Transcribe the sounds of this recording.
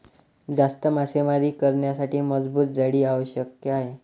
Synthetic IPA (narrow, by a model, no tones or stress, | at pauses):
d͡zast̪əmasemaɾiːkəɾɳjasaʈiːməd͡zbuːt̪̚d͡zaɽiːaʋəɕjəkjəaɦe